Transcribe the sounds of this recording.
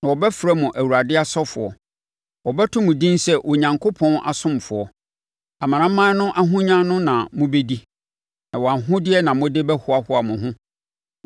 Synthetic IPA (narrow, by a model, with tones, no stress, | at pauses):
nã˨wɔ˨bɛ˦fɾæ˦mʊ̃˨ʔæ˨wu˨ɾa˨dɪ˦a˦sɔ˦fʊ̰˨ɔ̰˨ | wɔ˨bɛ˦tʰʊ̃˦mʊ̃˨dĩ˦nsɛ˦˨ʔo˨ɲã˨ŋkʰo˦pʰɔ̃˦nʔa̰˨sʊ̃˦m˨fʊ˨ɔ˨ | a˨mã˨ɾã˦mã˦nʊ̃˦ʔa˦ɦʊ̃˦ɲã˦nʊ̃˦nã˨mʊ̃˦be˦di˦ | nã˨wɔ˨a˨nɦʊ̃˦dɪ˦ɛ˦nã˨mʊ̃˦de˦bɛ˦hʊ˦a˦hʊ˦a˨mʊ̃˨ɦʊ̃˦